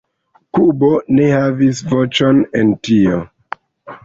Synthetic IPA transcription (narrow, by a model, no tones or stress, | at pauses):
kubone̞havisvot͡ʃonentio